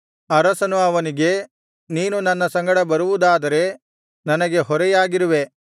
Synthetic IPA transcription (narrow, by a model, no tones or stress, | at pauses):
ɐɾɐsɐnuɐʋɐniɡe̞ | niːnunɐnːɐsɐŋɡɐɽɐbɐɾuʋud̪aːd̪ɐɾe̞ | nɐnɐɡe̞ɦɔɾɛjaːɡiɾuʋe̞